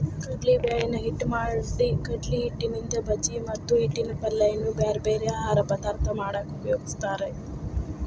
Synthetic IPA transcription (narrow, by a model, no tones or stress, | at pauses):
kɐʈlibeːɭɐnɐɦiʈːmaːɽsikɐʈliɦiʈːinind̪ɐbɐt͡ʃːimɐt̪ːuɦiʈːinɐpɐlːɐjɐnubaːɾbeːɾeaːɦaːɾɐpɐd̪aːɾt̪ʰːɐmaːɽɐkeupɐjoːɡist̪aːɾe